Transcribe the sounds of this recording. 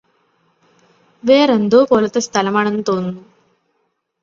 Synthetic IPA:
ʋeːɾend̪oːpoːlɐt̪ːest̪ʰɐlɐmaːɳenːut̪o̞ːnːu

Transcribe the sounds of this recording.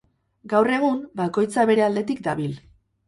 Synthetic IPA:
ɡawre̞ɣ̞umbako̞jt͡saβe̞ɾe̞ald̪e̞t̪ikd̪aβil

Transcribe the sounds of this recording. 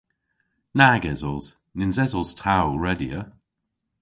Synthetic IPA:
naɡɛzɔz̥ | nɪnzɛzɔlˠz̥tʰawɹɛdiə

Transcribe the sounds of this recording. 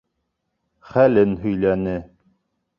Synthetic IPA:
χælɘnɦɵ̆jlænɘ

